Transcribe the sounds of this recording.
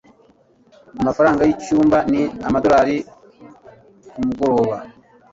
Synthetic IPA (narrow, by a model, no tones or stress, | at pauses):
amafaɾaːŋɡajit͡ʃːuːmbaniamad̪oɾaɾi | kumuɡoɾoβa